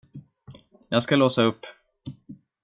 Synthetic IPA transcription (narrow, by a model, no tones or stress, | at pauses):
jɑːɡskaloːsaɵpː